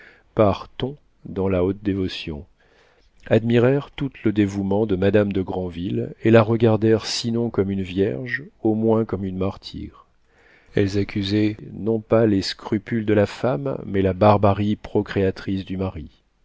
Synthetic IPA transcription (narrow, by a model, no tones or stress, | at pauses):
paʁt̪ɔ̃ | d̪ɑ̃laot̪̚d̪evɔsjɔ̰̃ | ad̪miʁɛʁt̪ut̪ləd̪evumɑ̃d̪əmad̪amd̪əɡʁɑ̃vilelaʁəɡaʁd̪ɛʁsinɔ̃kɔmynvjɛʁʒomwɛ̃kɔmynmaʁt̪ʰḭːʁ | ɛlzakʲyzɛnɔ̃paleskχypyld̪əlafamːɛlabaʁbaʁipχɔkχeat̪χis̬d̪ymaʁi